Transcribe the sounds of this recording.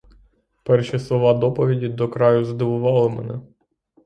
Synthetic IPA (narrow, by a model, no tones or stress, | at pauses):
pɛrʃʲislˠɔʋɑd̪ɔpɔʋʲidʲid̪ɔkɾɑjʊzd̪ɪʋʊʋɑlˠɪmɛ̰nɛ